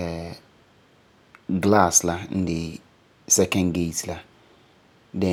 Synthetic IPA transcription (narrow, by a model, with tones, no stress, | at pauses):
ɛ˨ | ɡla˦˨sla˦n̩˦dɪ˨ | sɛ˦kɛ̃˨nɡe˦˨tla˦ | dɛ̃˨